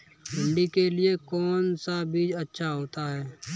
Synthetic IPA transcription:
ɦɪ̃ɳɖikelɪekɔːnsabʱiːd͡ʒətːʃʰaɦoːt̪aɦɛː

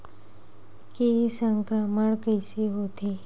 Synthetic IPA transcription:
kesəŋkɾəməɳkəjseɦot̪ʰe

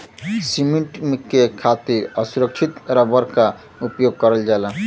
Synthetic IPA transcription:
simeɳʈmekːekʰat̪iɾʌsuɾək̚t͡ʃʰit̪ɾabʌɾka | upjoɡ̚kʌɾəld͡ʒalã

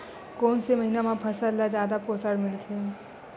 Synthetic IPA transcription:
koːnseməɦinamãpʰəsallad͡ʒjaːd̪apoːsaɽmɪlse

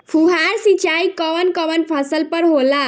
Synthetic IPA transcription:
pʰuɦaɾsit͡ʃaikəʋənkəʋənpʰəsəlpəɾɦola

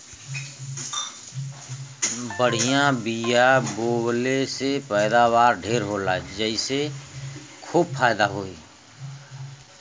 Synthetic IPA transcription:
bəɽ̤ijãbijaboːlesepɛːd̪abaːɾɖʱeːɾɦoːlad͡ʒəise | kʰuːb̚fʰaːjd̪aɦoːiː

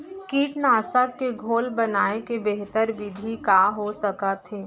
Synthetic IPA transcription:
kiːʈnaːsakeɡʱoːlbɐnaːekebeɦt̪əɾbɪd̪ʱikaːɦosɐkat̪ʰeː

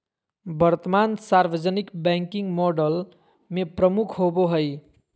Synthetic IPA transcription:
bəɾt̪əmansaɾʋəd͡ʒənikbɛ̃ŋkiŋɡmɔɖəl | mepɾəmukʰɦoboɦəj

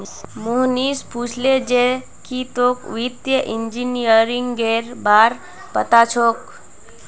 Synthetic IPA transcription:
moɦnispuːt͡ʃʰled͡ʒe | kit̪oːkʋid̪jəʔind͡ʒinijəɾiŋɡɡeːɾbaːɾ | pət̪at͡ʃʰok

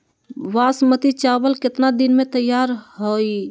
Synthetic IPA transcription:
ʋasmət̪it͡ʃabəlket̪nad̪inmet̪əjːaɾɦoj

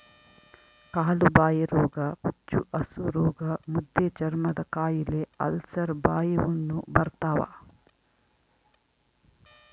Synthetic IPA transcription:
kaːlubaːjɐɾɔːɡɐput͡ʃːuʔɐsuɾɔːɡɐmud̪ːet͡ʃɐɾmɐd̪ɐkaːjileɐ̰lsɐɾbaːjɐʋɐnːubɐɾt̪aːʋa̰

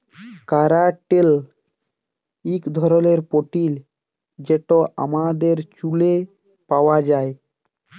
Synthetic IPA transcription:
kaɾaʈel | ikd̪ʱɔɾɔleɾpɔʈil | d͡ʒeʈɔʔa̰mad̪eɾt͡ʃule | pawad͡ʒae

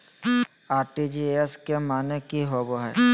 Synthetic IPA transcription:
aːɾʈid͡ʒieeskemaːnekiɦoboɦɛ̰ː

